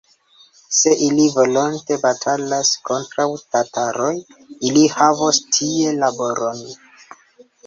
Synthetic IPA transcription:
se̞ʔilivo̞lonte̞batʰalasko̞ntɾawtatʰaɾojilihavostʰie̞labo̞ɾʔon

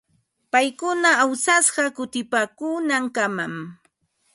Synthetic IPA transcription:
pajkʊnaawsasɢɑkʊt̪ɪpaːkuːnaŋkamam

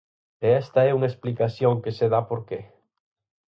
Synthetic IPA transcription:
eɛst̪ɐɛuŋaesplikaθjõŋkeseðapoɾke

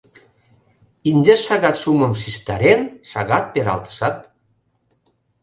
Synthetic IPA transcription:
inʲd̪esaɣat̪suməmsist̪aɾensaɣat̪̚peɾa̰lˠt̪sat̪

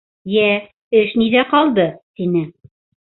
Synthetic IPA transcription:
jæ | ɘʃniðæqɑlˠd̪ɤt̪inɘ

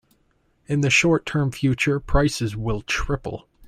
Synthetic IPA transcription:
ɨ̃nðɨʃɔɹtʰɜ̃˞ɱfjʉt͡ʃə˞pʰɹ̥aɪsɨzwɪlˠtʰɹ̥ɪpl̩ˠ

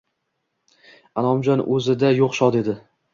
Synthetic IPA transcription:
alˠɒmd͡ʒɒnɵzɪd̪ajoqʃɒd̪e̞d̪ɪ

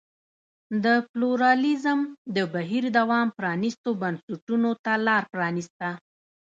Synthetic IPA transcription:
d̪əpluɾɑlizəmd̪əbaɦiɾd̪awɑmpɾɑnist̪obansəʈunot̪alɑɾpɾɑnist̪a

